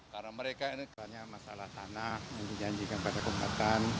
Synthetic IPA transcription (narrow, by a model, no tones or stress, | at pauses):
karnaməɾekainikaɲamasalaht̪anahjaŋdid͡ʒaɲd͡ʒikanpadakəmba̰t̪an